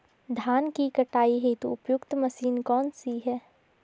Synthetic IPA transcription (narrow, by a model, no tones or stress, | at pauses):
d̪ʱaːnkikɐʈaːiɦɛt̪oʊpjʊkt̪mɐsiːnkɔːnsiɦɛː